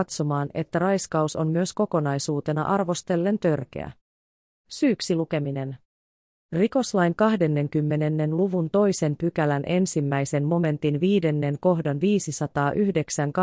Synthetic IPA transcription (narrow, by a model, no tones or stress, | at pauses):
t̪so̞mɑːne̞̰t̪ːæɾɑjskɑuso̞mmyøsko̞ko̞nɑjsuːt̪e̞nɑ̰ʔɑrʋo̞st̪e̞lːe̞nt̪ø̞rk̟ḛæ̰ | syːksiluke̞mine̞n | riko̞slɑjŋkɑhde̞nːe̞ŋkymːe̞ne̞nːe̞nluʋunt̪o̞jse̞mpykælænʔe̞nsimːæjse̞nmo̞me̞nt̪inʋiːde̞nːe̞ŋko̞ɦdɑnʋiːsisɑt̪ɑːʔyhde̞ksæŋk